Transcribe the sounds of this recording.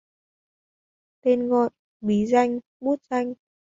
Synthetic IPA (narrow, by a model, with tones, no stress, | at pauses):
t̪e˧nɣɔ˨j | ɓi˨˦za˧jŋ | ɓu˦˥t̚z̥a˧jŋ̟